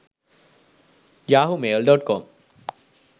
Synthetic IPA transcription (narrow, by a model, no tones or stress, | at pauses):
jaːɦumelɖɔʈ̚kɔm